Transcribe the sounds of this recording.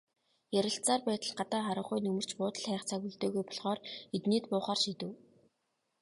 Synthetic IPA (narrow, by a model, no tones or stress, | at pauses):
jæɾʲɪ̆ɬt͡saːrpæːt̪ə̆ɮɢat̪aːχaɾə̆χʊjnɵmɵ̆r̥t͡ɕpʊːt̪ə̆ɮχæːχt͡sʰaɣŭɮt̪eːɣujpɔɮχɔːret̪niːt̪pʊːχaːrʃit̪ɘ̆w